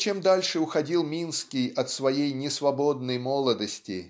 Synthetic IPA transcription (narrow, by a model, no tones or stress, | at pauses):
t͡ɕemd̪alʲʂɨʊxɐdʲilˠmʲinskʲɪjɐt̪svɐjejnʲɪsvɐbo̞d̪̚nəjmolˠəd̪əsʲtʲɪ̰